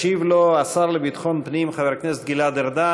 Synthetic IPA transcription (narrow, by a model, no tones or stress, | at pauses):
ivloasaʁlebit̪χo̞npnimχaveʁknes̬et̪̚ɡilad̪eʁd̪a